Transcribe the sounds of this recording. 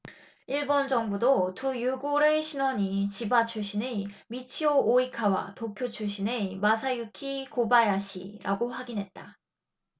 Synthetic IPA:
iɭbʌnd͡ʑʌŋbudotujuɡoɾeɕʰinwʌɲit͡ɕibat͡ɕʰuɕ͈ʰinemit͡ɕʰioʔːikʰawa̰tokʰjot͡ɕʰuɕʰinemasʰajukʰikobajaɕʰḭɾʔa̰ɡoɸwaɡinɦe̞t̚t͈a

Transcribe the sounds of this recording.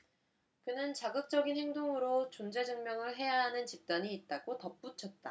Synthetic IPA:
kɯnɯnt͡ɕaɡɯk̚t͡ɕ͈ʌɡinhe̞ŋdoŋɯɾot͡ɕond͡ʑe̞d͡ʑɯŋmjʌŋɯɭɦe̞jaɦanɯnt͡ɕip̚t͈aɲiːt̚t͈aɡotʌp̚p͈ut͡ɕʰʌt̚t͈a

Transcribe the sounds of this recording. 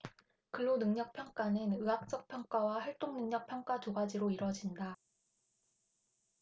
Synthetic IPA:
kɯɭːonɯŋɲʌk̚pʰjʌŋk͈anɯnɯɦak̚t͡ɕ͈ʌk̚pʰjʌŋk͈awahaɭt͈oŋnɯŋɲʌk̚pʰjʌŋk͈atoɡad͡ʑiɾoiɾwʌd͡ʑinda

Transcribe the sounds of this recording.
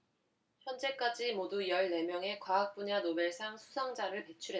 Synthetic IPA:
çjʌnd͡ʑe̞k͈ad͡ʑimodujʌɭne̞mjʌŋe̞kwaak̚p͈uɲanobeɭsʰaŋsʰu̥sʰʌŋd͡ʑaɾɯɭpe̞t͡ɕʰuɾɦe

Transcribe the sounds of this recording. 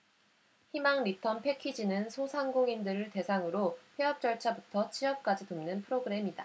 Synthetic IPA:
çimaŋɾitʰʌmpʰe̞kʰid͡ʑinɯnsʰosʰaŋɡoŋindɯɾɯɭte̞sʰaŋɯɾopʰeɦʌp̚t͡ɕ͈ʌɭt͡ɕʰabutʰʌt͡ɕʰiʌp̚k͈ad͡ʑitomnɯnpʰɯɾoɡɯɾe̞mida

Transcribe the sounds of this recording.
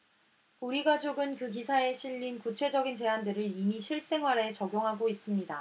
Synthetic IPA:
uɾiɡad͡ʑoɡɯnkɯkisʰae̞ɕʰiʎːinkut͡ɕʰe̞d͡ʑʌɡint͡ɕe̞ɦandɯɾɯɾimiɕʰiɭs͈e̞ŋwaɾe̞t͡ɕʌɡjoŋɦaɡois͈ɯmɲida

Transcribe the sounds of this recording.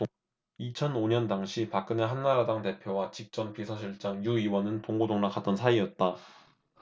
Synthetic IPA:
it͡ɕʰʌnoɲʌndaŋɕʰipak͈̚ɯne̞ɦanːaɾadaŋte̞pʰjowat͡ɕik̚t͡ɕ͈ʌmpisʰʌɕ̬ʰiɭt͡ɕ͈aŋjuiwʌnɯntoŋɡodoŋnak͈ʰat͈ʌnsʰaiʌt̚t͈a

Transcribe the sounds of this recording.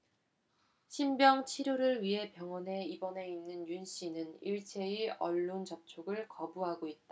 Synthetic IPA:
ɕʰimbjʌŋt͡ɕʰiɾjoɾɯɭɥiɦe̞pjʌŋwʌne̞ibʌne̞inːɯnjunɕ͈ʰinɯniɭt͡ɕʰe̞iʔʌɭːont͡ɕʌp̚t͡ɕʰoɡɯɭkʌbuɦaɡoit̚t͈a

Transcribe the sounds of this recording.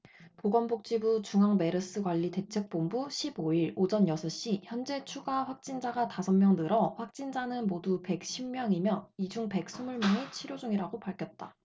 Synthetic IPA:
poɡʌnbʰok̚t͡ɕ͈ibut͡ɕuŋɦaŋme̞ɾɯs͈ɯɡwaʎːite̞t͡ɕʰe̞k̚p͈ombuɕʰiboiɾod͡ʑʌnjʌsʰʌɕ͈içjʌnd͡ʑe̞t͡ɕʰuɡaɸwak̚t͡ɕ͈ind͡ʑaɡatasʰʌmmjʌŋnɯɾʌɸwak̚t͡ɕ͈ind͡ʑanɯnmodupe̞k̚ɕ͈ʰimmjʌŋimjʌnid͡ʑuŋpe̞k̚s͈ʰumuɭmjʌŋit͡ɕʰiɾjod͡ʑuŋiɾaɡopaɭkʰjʌt̚t͈a

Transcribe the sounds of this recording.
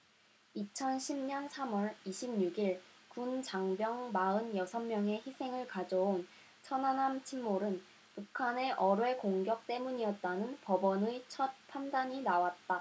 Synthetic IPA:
it͡ɕʰʌnɕʰimɲʌnsʰamʌɾiɕʰimɲuɡiɭkunt͡ɕaŋbjʌŋmaɯnjʌsʰʌmːjʌŋe̞çisʰe̞ŋɯɭkad͡ʑʌon | t͡ɕʰʌnanamt͡ɕʰimːoɾɯn | pukʰane̞ʔʌɾwe̞koŋɡjʌk̚t͈e̞muɲiʌt̚t͈anɯnpʌbʌnɯt͡ɕʰʌt̚pʰandaɲinawat̚t͈a

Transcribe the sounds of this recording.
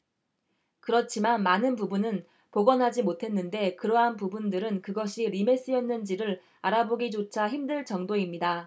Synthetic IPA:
kɯɾʌt͡ɕʰimanmanɯnp̬ubunɯn | poɡʌnɦad͡ʑimotʰe̞nːɯnde̞kɯɾʌɦanpubundɯɾɯnkɯɡʌɕʰiɾime̞s͈ɯjʌnːɯnd͡ʑiɾɯɾ | aɾaboɡid͡ʑot͡ɕʰaçimdɯɭt͡ɕʌŋdoimɲida

